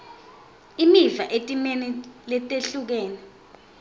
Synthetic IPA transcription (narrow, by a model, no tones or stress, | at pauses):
imivaʔetʼimɛnɛlɛtʼeɬuk̬ɛːnɛ